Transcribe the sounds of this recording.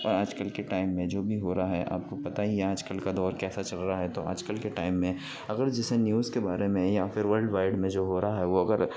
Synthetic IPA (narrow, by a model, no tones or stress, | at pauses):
ɔ̰ːɾaːd͡ʒkəlkeʈaːɪmːẽd͡ʒoːbʱiɦoːɾaaɦɛʔa̰ːp̚kopɐt̪aɦijeaːd͡ʒkəlkad̪ɔːɾkɛːsat͡ʃɐlɾaaɦɛt̪oa̰ːd͡ʒkəlkeʈaːɪmːẽ | ɐɡəɾd͡ʒɛsenjuːzkebaːɾemẽjafɪɾʋəɾlɖʋaːɪɖmẽd͡ʒoːɦoːɾaɦaɦɛʋoɐɡəɾ